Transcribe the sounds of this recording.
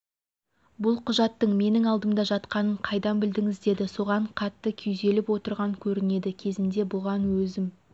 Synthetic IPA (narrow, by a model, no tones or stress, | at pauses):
bʊlˠqʰʊʒɑt̪ːəɴme̞nɪŋɑlˠd̪əmd̪ɑʒɑt̪qɑnəɴqʰɑjd̪ɑnbɪld̪ɪŋɪzd̪e̞d̪ɪso̞ʁɑɴqʰɑt̪ːəkʲʰʏjze̞lɪpwo̞t̪əɾʁɑŋkʲʰɵɾɪne̞d̪ɪkʲʰe̞zɪnd̪e̞bʊʁɑnwɵzɪm